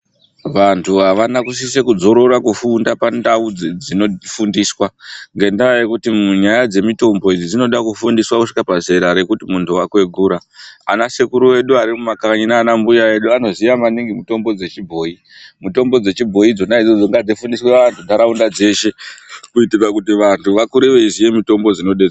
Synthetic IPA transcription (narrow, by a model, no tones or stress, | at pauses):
ʋantʰuɦaʋanakus̬isekud͡zo̞ɾo̞ɾakufundapandaud͡zd͡zino̞fundiːswaŋɡe̞ndaajekutiuɲajad͡ze̞mito̞mbo̞id͡zid͡zino̞ɗakufundiswakuʂi̥kapaze̞ɾaɾe̞kutimuntʰuwakwe̞ɡʱuɾa̰ːnasekuɾuwe̞ɗuaɾimumakaaɲinaːnambujae̞ɗuano̞zijamaniŋɡimuto̞mbo̞d͡ze̞t͡ʃibʱo̞ːi | muto̞mbo̞d͡ze̞t͡ʃibʱo̞id͡zo̞naid͡zo̞d͡zoŋɡad͡zifundisweʋantʰudʱaɾaundad͡ze̞ʃe̞kuitirakutiʋantʰuʋakuɾeʋeizije̞mito̞mbo̞d͡zino̞ɗe̞d͡z